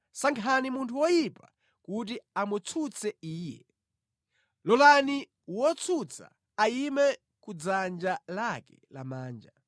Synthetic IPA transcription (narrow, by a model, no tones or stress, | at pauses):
saŋkʰanimuntʰuwɔjipa | kut̬iamut͡sʰut͡sʰɛiːjɛ̰ | lɔlani | wɔt͡sʰut͡sʰa̰ | aimɛ | kud͡zand͡ʒalakɛla̰maːnd͡ʒa